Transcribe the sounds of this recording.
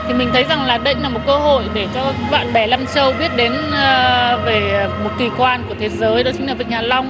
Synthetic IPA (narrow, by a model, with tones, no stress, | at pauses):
t̪ʰi˨˩mï̟˨˩t̪ʰə˨˦jza˨˩ŋlaː˨˩ɗə˧jlaː˨˩mo˨˩t̚kəː˧ɦo̰˧˨jɗe˧˩t͡ɕɔ˧va̰ː˧˨nɓɛ˧˩la˧mt͡ɕə˧wɓi˦˥ət̚ɗe˨˦n | ve˨˩mo˨˩t̚k̪i˨˩kwaː˧nku˧˩ət̪ʰe˨˦zəː˨˦jɗɔ˨˦t͡ɕï˨˦ŋla˨˩v̰ï˨ŋ̟haː˨˩la˧wŋ͡m